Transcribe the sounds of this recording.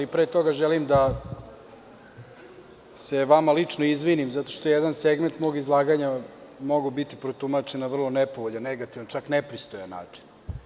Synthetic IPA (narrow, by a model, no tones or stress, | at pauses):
lipɾeːt̪o̞ɡaʒelimd̪a | seʋamalit͡ʂnoizʋinimzat̪o̞ʃt̪oejed̪anseɡment̪moɡizlˠaːɡaɲamo̞ɡubit̪ipɾot̪umat͡ʃenːavr̩lˠo̞nepo̞ʋoʎanːeɡat̪iʋant͡ʃaknepɾist̪ojana̰ːt͡ʂi̥n